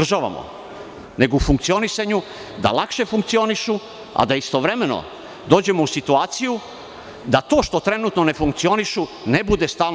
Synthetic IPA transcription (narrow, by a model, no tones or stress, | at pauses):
rʒaʋa̰mo̰ | ne̞ɡoufuŋk̚t̪sio̞nisaɲu | d̪a̰lˠakʃe̞fuŋk̚t̪sio̞niʃu | a̰d̪aist̪o̞ʋɾe̞me̞no̰ | d̪o̞ːd͡ʑe̞mousit̪uaːt̪siju | d̪at̪o̞ːʃt̪o̞t̪ɾe̞nut̪no̞ne̞fuŋk̚t̪sio̞niʃu | ne̞bud̪e̞st̪aːl